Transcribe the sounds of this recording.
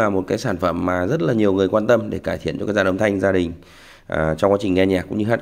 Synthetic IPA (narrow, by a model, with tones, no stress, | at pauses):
aː˨˩mo˨˩t̚kaː˨˦jsaː˧˩nfə˧˩mːaː˨˩zə˦˥t̚laː˨˩ɲi˨˩əwŋɨ˨˩əjkwaː˧nt̪ə˧mɗḛ˧˩kaː˧˩jt̪ʰi˧˨nt͡ɕɔ˧kaː˦˥k̚zaː˧nə˧wŋ͡mt̪ʰa˧jŋ̟zaː˧ɗï˨˩ŋ̟ | ʔt͡ɕɔ˧ŋ͡mkwaː˨˦t͡ɕï˨˩ŋ̟ŋɛ˧ɲaː˨˩kːʊ̰˧˥ŋ͡mɲɨ˧ɦaː˦˥